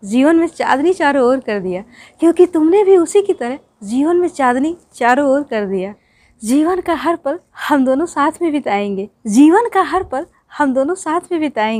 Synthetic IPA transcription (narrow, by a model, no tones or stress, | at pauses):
d͡ʒiːʋənmẽt͡ʃa̰ːd̪nit͡ʃaːɾooːɾkɐɾd̪ɪjaː | kjõːkit̪ʊmnebʱiʊsikit̪ɐɾəɦ | d͡ʒiːʋənmẽt͡ʃaːd̪nit͡ʃaːɾooːɾkɐɾd̪ijaː | d͡ʒiːʋənkaɦɐɾpɐɾ | hɐmd̪oːnõsaːt̪ʰmẽbʱɪt̪aːẽːɡeːd͡ʒiːʋənkaɦɐɾpɐɾ | hɐmd̪oːnõsaːt̪ʰmẽbʱɪt̪aːẽː